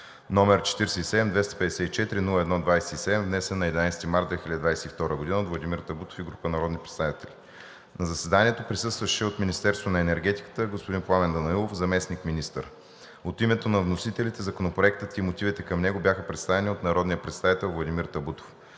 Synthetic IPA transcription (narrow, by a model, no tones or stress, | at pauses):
nɔmɛɾt͡ʃɛ̥t̪iɾsɛisɛd̪ɛmd̪vɛst̪ɐ̥pɛd̪ɛsɛt̪it͡ʃɛt̪iɾinulˠəɛd̪nɔd̪vajsɛisɛd̪ɛmvnɛsɛnːɐɛd̪inajsɛt̪imaɾd̪vɛxilʲad̪id̪vajsɛift̪ɔɾəɡod̪inəot̪vlˠɐd̪imiɾt̪ɐbut̪o̥fiɡɾupənɐɾɔd̪nipɾɛt̪st̪avit̪ɛli | nɐzɐsɛd̪aniɛt̪opɾisɤst̪vɐʃɛot̪minist̪ɛɾst̪vonɐɛnɛɾɡɛt̪i̥kə̥t̪əɡospod̪inplˠamɛnd̪ɐnɐilˠofzɐmɛsnikminist̪ə̰ɾ | ot̪imɛt̪onɐvnosit̪ɛlit̪ɛzɐkonopɾoɛk̚t̪ət̪imot̪ivit̪ɛkɐmnɛɡobjaxəpɾɛt̪st̪avɛnʲiot̪nɐɾɔd̪nijəpɾɛt̪sʲt̪avit̪ɛlˠvlˠɐd̪imiɾt̪ɐbut̪o̥f